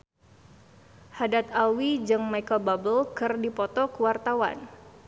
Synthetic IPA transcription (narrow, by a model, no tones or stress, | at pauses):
hadat̪̚awid͡ʒɨŋmajkababəlkɨrdipɔt̪ɔkəwart̪awa̰n